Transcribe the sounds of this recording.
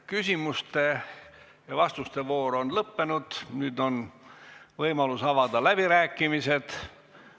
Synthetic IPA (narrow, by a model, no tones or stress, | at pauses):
kysʲimust̪e̞ | jɑvɑst̪ust̪e̞vo̞ːɾo̞nlɤpːe̞nud̪̥nyːd̪o̞n | vɤjmɑlusɑvɑd̪̥ɑlæb̥iɾæːkːˑimise̞d̪̥